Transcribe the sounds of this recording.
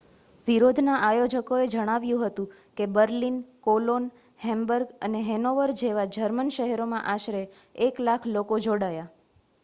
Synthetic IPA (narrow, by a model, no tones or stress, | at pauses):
ʋiɾod̪ʱnaʔajod͡ʒəkoed͡ʒəɽ̃aʋjũɦət̪ũkebəɾlinkolon | hɛ̃mbəɾɡəneɦɛnoʋəɾd͡ʒeʋad͡ʒəɾmənʃəɦɛɾomãʔaʃɾeːklakʰlokod͡ʒoɽaja